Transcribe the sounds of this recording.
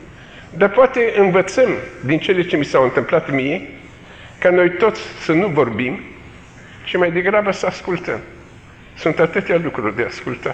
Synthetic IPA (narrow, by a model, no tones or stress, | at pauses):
d̪apoat̪e̞ʔɨnvət̪səmd̪int͡ʃe̞le̞t͡ʃe̞misawɨnt̪ɨmplat̪mije̞ | kano̞jt̪o̞t̪sʲsənuvo̞rbim | ʃimajd̪e̞ɡɾabəsəaskult̪əm | sunt̪at̪ɨt̪ejalukɾurʲd̪easkult̪a